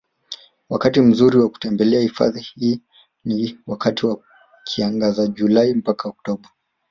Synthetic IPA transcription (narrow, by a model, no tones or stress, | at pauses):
wakatim̩zuɾiwaku̥tɛmbɛlɛahifa̰ðihiː | niwakatiwa | kʰiaŋɡazaʄulaimpakaɔk̚tɔɓa